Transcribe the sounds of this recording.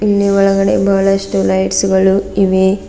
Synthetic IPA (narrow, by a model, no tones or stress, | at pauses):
inːiʋɐɭɐɡɐɽḛbɐːɐɭɐʃʈulɐjʈsuɡɐɭuiʋe